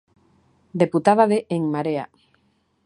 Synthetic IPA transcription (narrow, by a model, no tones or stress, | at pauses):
d̪eput̪aðaðeʔeŋmaɾea̰